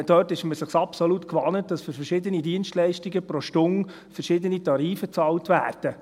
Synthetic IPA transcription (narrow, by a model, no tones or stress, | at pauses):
d̥œːtɪʃməsəχsɑpsɔlutkʋɑnət̚d̥ɑsfʏɾfɛɾʃɪdənidiənʃtlɛɪʃtiɡəpɾɔʃtʊŋ | fəɾʃɪd̪ənitɑɾiːfət͡sɑːltvæːrd̥ə